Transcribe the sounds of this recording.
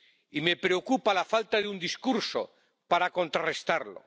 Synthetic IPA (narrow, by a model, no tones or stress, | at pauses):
ime̞pɾeokupalafalt̪aðeund̪iskuɾso̰ | paɾako̞nt̪ɾarest̪aɾlo̰